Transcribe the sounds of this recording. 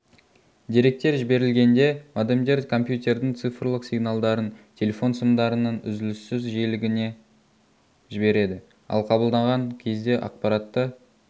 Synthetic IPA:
d̪ʲiɾe̞k̚t̪e̞ɾʒɪbe̞ɾɪlɡʲe̞nd̪e̞mad̪emd̪e̞rd̪kʰo̞mpjut̪ʲe̞ɾd̪ɪŋt̪sɨfrlˠəqsʲijɡnɑlˠd̪ɑɾənt̪ʲʰe̞lʲe̞fo̞nsəmd̪ɑɾənɑnʏ̰zɪlɪsːɪzʒijlɪɡʲɪne̞ | ʒɪbe̞ɾe̞d̪ɪ | ɑ̰lˠqʰɑbəlˠd̪ɑɴʁɑŋkʲʰe̞zd̪e̞ʔɑ̰q̚pɑɾɑt̪ːə

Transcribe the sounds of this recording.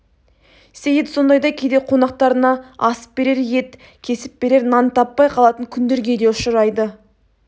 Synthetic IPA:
sejet̪so̞nd̪ɑjd̪ɑkʲʰe̞d̪e̞qʰo̞nɑq̚t̪ɑɾənɑɑsə̥p̚be̞ɾe̞ɾje̞t̪ | kʲʰe̞sɪp̚be̞ɾe̞ɾnɑnt̪ʰɑpːɑjqʰɑlˠɑt̪əŋkʲʰʏnd̪e̞ɾɡʲe̞d̪e̞ʊʃəɾɑjd̪ə

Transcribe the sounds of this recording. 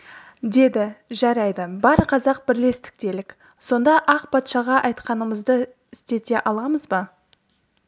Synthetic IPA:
d̪e̞d̪ɪʒɑɾɑjd̪əbɑɾqʰɑzɑq̚bɪɾle̞st̪ɪ̥k̚t̪e̞lɪk | so̞nd̪ɑʔɑqpʰɑt̪ʃɑʁɑʔɑjt̪qɑnəməzd̪ə | ɪst̪e̞t̪e̞ʔɑlˠɑməzbɑ

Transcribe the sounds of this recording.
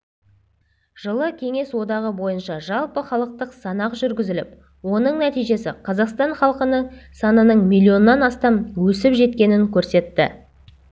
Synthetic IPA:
ʒ̥əlˠəkʲʰe̞ŋe̞swo̞d̪ɑʁəbo̞jənʃɑʒɑlˠpəχɑlˠəq̚t̪əqsɑnɑqʒʏɾɡʲɪzɪlɪp̚ | wo̞nəɴnæt̪ijʒe̞sɪqʰɑzɑqst̪ɑɴχɑlˠqənəsɑnənəɴmijlʲːio̞nːɑnɑst̪ɑmwɵsɪpʒe̞t̪̚kʲe̞nɪŋkʲʰɵɾse̞t̪ːɪ̰

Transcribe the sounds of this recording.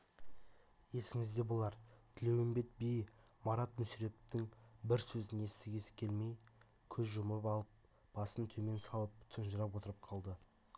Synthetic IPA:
je̞sɪŋɪzd̪e̞bolˠɑɾt̪ʰɪle̞wɪmbe̞t̪̚bij | mɑɾɑt̪mʏsɾe̞t̪ɪŋbɪɾsɵzɪne̞st̪ɪɡʲesɪ̥kʲʰe̞lme̞j | kʲʰɵzʒʊməpɑlˠəp̚ | b̥ɑsənt̪ʰɵme̞nsɑlˠəp̚t̪ʰənʒəɾɑpwo̞t̪əɾəp̚qʰɑlˠd̪ə

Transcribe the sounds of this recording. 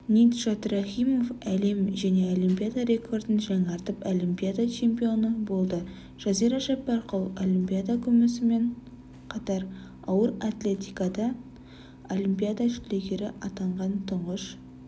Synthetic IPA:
nijt̪ʒ̥at̪raχijmo̞fæle̞mʒæne̞o̞lʲˠimpʲijad̪aɾe̞kʰo̞rd̪ənʒɑŋɑɾt̪əpolimpijad̪at͡ʃʰe̞mpijo̞nəbo̞lˠd̪ə | ʒ̥ɑziɾɑʒɑpːɑɾqəlˠolʲimpʲijad̪akʲʰɵmɪsɪme̞ɴ | qʰɑt̪ɑɾ | ɑwəɾat̪lʲe̞t̪ijkɑd̪ɑ | olimpʲijad̪aʒʏle̞ɡʲe̞ɾɪʔɑt̪ɑɴʁɑnt̪ʰʊɴʁəʃ

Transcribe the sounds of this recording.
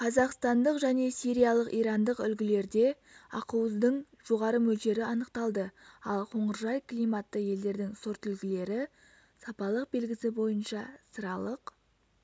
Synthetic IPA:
qʰɑzɑqst̪ɑnd̪əqʒæne̞sijɾijalˠəqijɾɑnd̪əqʏlɡʲɪle̞ɾd̪e̞ | ɑ̰quwəzd̪əɴ | ʒ̥o̞ʁɑɾəmɵld̪e̞ɾɪɑnəqt̪ɑlˠd̪əɑlˠqʰo̞ɴəɾʒɑjklijmɑt̪ːəje̞ld̪e̞ɾd̪ɪŋsoɾt̪ʏlɡʲɪle̞ɾɪ | sɑpɑlˠəq̚be̞lɡʲɪsɪbo̞jənʃɑsəɾɑlˠəq

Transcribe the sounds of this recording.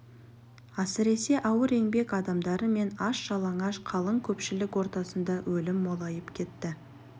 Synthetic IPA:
ɑsɪɾe̞se̞ʔɑwəɾe̞ŋbe̞kɑd̪ɑmd̪ɑɾəme̞nɑʃʒɑlˠɑɴɑʃqʰɑlˠəŋkʲʰɵpʃɪlɪkwo̞ɾt̪ɑsənd̪ɑwɵlɪmːo̞lˠɑjəpkʲʰe̞t̪ːɪ

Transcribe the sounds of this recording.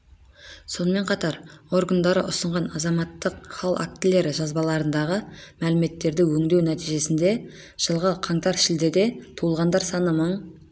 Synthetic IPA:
so̞nəme̞ɴqʰɑt̪ɑɾo̞rɡənd̪ɑɾə̰ʔʊsəɴʁɑnɑzɑmɑt̪ːəqχɑlˠa̰k̚t̪ɪle̞ɾɪʒɑzbɑlˠɑɾənd̪ɑʁəmælɪme̞t̪ːe̞ɾd̪ɪwɵŋd̪ewnæt̪ijʒe̞sɪnd̪e̞ | ʒ̥əlˠʁəqʰɑŋt̪ɑɾʃɪld̪ed̪e̞t̪ʰuəlˠʁɑnd̪ɑɾsɑnəməɴ

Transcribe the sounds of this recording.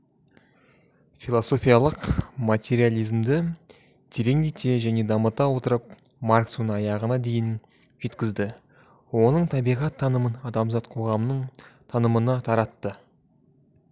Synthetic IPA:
filˠoso̞fʲijɑlˠəqmat̪ʲe̞ɾialʲˠijzmd̪ɪ | d̪̥ʰeɾe̞ŋd̪et̪e̞ʒæne̞d̪ɑmət̪ɑwo̞t̪əɾəp̚ | maɾksunɑjɑʁənɑd̪e̞jɪn | ʒ̥e̞t̪kʲɪzd̪ɪ | wo̞nəɴt̪ʰɑbijʁɑt̪ʰːɑnəmənɑd̪ɑmzɑt̪qʰo̞ʁɑmnəɴt̪ʰɑnəmənɑt̪ʰɑɾɑt̪ːə

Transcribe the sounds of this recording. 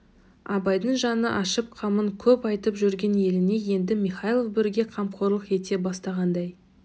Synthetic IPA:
ɑbɑjd̪əɴʒɑnəʔɑʃəp̚qʰɑməɴkʲʰɵpɑjt̪əpʒʏɾɡʲe̞nje̞lɪne̞je̞nd̪ɪmiχɑjlˠofbɪɾɪɡʲe̞qʰɑmqʰoɾlˠəqe̞t̪e̞bɑst̪ɑʁɑnd̪ɑj

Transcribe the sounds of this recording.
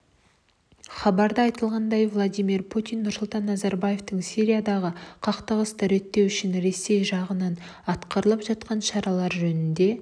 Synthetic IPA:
χɑbɑɾd̪əɑjt̪əlˠʁɑnd̪ɑjvlˠad̪ijmirpʰut̪ijnːʊɾsʊlˠt̪ɑnːɑzɑɾbaje̞ft̪əɴsiɾijad̪ɑʁəqʰɑqt̪əʁəst̪ɑɾet̪ːe̞wʏʃɪnɾe̞se̞jʒɑʁənɑn | ɑt̪qəɾəlˠəpʒɑt̪qɑnʃɑɾɑlˠɑɾʒɵnɪnd̪e̞

